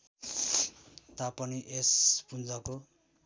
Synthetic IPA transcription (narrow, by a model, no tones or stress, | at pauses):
t̪apʌniʔespund͡zʌko